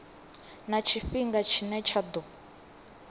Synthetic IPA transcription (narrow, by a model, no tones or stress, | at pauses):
nat͡ʃʰiɸiŋɡat͡ʃʰinɛt͡ʃʰad̪ɔ